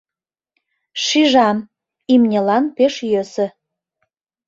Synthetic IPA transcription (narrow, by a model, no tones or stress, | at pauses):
ʃiʒɑm | imnʲelɑnpeʃjøsə̆